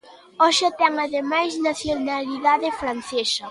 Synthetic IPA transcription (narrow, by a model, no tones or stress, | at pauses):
ɔʃat̪ɛŋaðemajsnaθjonaliðaðefɾanθesɐ